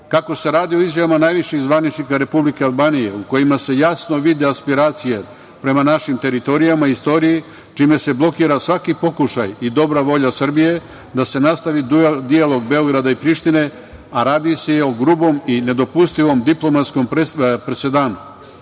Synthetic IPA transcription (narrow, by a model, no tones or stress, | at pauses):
kako̞se̞ɾaːd̪ioizjaʋamanajʋiʃiɣzʋanit͡ʃnikaɾe̞publike̞alˠbaːnije̞uko̞jimase̞jasno̞ʋid̪iaspiɾaːt̪sije̞ | pɾe̞manaʃimt̪e̞ɾit̪o̞ɾijamaist̪o̞ɾiji | t͡ʃime̞se̞blˠo̞kiːɾasʋakipo̞kuʃa̰jid̪o̞bɾaʋo̞ʎasr̩bije̞ | d̪ase̞nast̪aʋid̪ud̪ijalo̞ɡbe̞o̞ɡɾad̪aipɾiʃt̪ine̞ | aɾaːd̪isejeoɡɾuːbo̞mine̞d̪o̞pust̪iʋo̞md̪iplˠo̞mat̪sko̞mpɾese̞d̪aːnu